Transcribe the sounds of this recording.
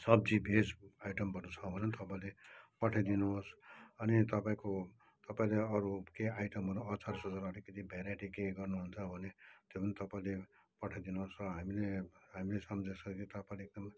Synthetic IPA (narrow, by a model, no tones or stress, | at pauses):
sʌb̚d͡zibʱesajʈʌmbʱʌɾut͡sʰʌbʱʌnet̪ʌpaĩlepʌʈʰad̪inuɦosʌnit̪ʌpaĩko | t̪ʌpãĩleʌɾukeajʈʌmɦʌɾuʌt͡saɾsʌd͡zaɾʌɾikʌt̪ʰibʱaɾaʈikeɡʌrnuɦunt͡sʰʌbʱʌnet̪jopʌnit̪ʌpaĩle | pʌʈʰad̪inuɦosrʌɦamileɦamilesʌmʌd͡zesʰʌkit̪ʌpãĩleɡ̚d̪ʌm